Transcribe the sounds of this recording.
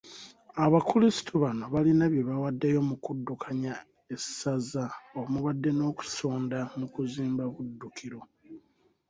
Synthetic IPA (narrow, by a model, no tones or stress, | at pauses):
aβakulisi̥tʰuβano̞βalinaβje̞βawadːejo̞mukudːukʰaɲa | esazaomuβadːe̞no̞ːku̥so̞ːndamukuziːmbaβudːukʰiɾo